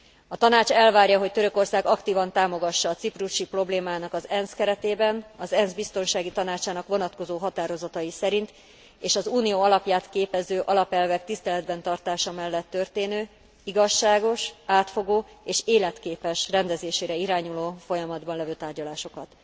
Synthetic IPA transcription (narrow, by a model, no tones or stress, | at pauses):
ɒt̪ɒnaːt͡ʃɛlvaːrjɒɦo̞ct̪ø̞ɾø̞ko̞rsaːɡɒkt̪iːvɒnt̪aːmo̞ɡɒʃːɒːt̪sipruʃipro̞bleːmaːnɒkɒzɛnskɛɾɛt̪eːbɛnɒzɛnzbist̪o̞nʃaːɡit̪ɒnaːt͡ʃaːnɒkʋo̞nɒt̪ko̞zoːɦɒt̪aːɾo̞zɒt̪ɒjisɛɾint̪ | eːʃɒzuːnijoːɒlɒpjaːt̪keːpɛzøːʔɒlɒpɛlvɛk̚t̪ist̪ɛlɛd̪bɛnt̪ɒrt̪aːʃɒmɛlːɛt̪ːø̞rt̪eːnøː | iɡɒʃːaːɡo̞ʃaːt̪fo̞ɡoːeːʃeːlɛt̪keːpɛʃrɛnd̪ɛzeːʃeːɾɛiɾaːɲuloːfo̞jɒmɒd̪bɒnlɛvøːt̪aːrɟɒlaːʃo̞kɒt̪